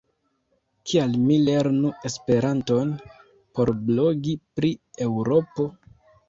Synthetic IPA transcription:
kʰialmile̞ɾnue̞spe̞ɾanto̞n | po̞ɾblo̞ɡipɾie̞wɾo̞po̞

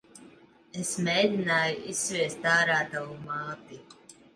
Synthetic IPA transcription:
esmʲɛjd̪ʲinaːjuʔisːvʲiɛst̪aːɾaːt̪avumaːt̪i

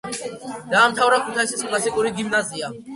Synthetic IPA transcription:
d̪aːmt̪ʰawɾakʰut̪ʰaisiskʰlasikʼuɾiɡimnazia

